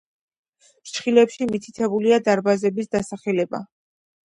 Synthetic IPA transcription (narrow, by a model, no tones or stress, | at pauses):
t͡ʃʰχilɛpʃimit̪ʰit̪ʰɛbuliad̪aɾbazɛbisd̪asaχɛlɛba̰